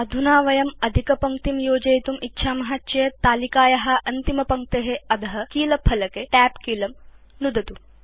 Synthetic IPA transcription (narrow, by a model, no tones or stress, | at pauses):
ɐd̪ʱunaːʋɐjɐmɐd̪ʱikɐpɐŋk̚t̪imjoːd͡ʒɐjt̪umitːʃʰaːmɐɦatːt͡ʃɐɐt̪aːlikaːjɐɦɐʔɐnt̪imɐpɐŋk̚t̪eɦeɐd̪ʱɐɦɐkiːlɐpʰɐlɐkeʈæːpkiːlɐm | nud̪ʱɐt̪u